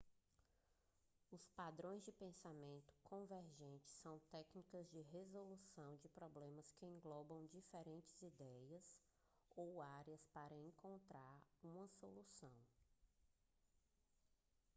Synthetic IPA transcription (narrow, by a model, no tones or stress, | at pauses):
ʊspad̪ɾõj̃zd͡ʒɪpẽsamẽnt̪ʊ̥kʰõveɾʒẽnt͡ʃɪ̥sːɐ̃w̃t̪ɛknikɐzd͡ʒɪɦezolusɐ̃w̃d͡ʒɪpɾɔblẽmɐskɪẽŋɡlɔbɐ̃w̃d͡ʒifeɾẽnt͡ʃɪ̥zid̪ɛjɐs | owaɾiɐspaɾɐẽkõnt̪ɾaɾũmɐsolusɐ̃w̃